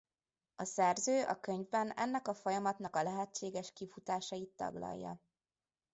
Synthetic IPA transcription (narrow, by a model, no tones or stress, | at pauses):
ɒsɛrzøːʔɒkø̞ɲvbɛnɛ̰nːɛkɒfojɒmɒt̪nɒkɒlɛɦɛt͡ʃːeːɡɛʃkifut̪aːʃɒjit̪ːɒ̰ɡlɒ̰jːɒ̰